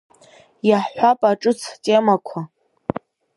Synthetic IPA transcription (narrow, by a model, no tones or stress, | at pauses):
jaħħʷapʼaʈ͡ʂʼɨt͡sʰtʼe̞makʷʰa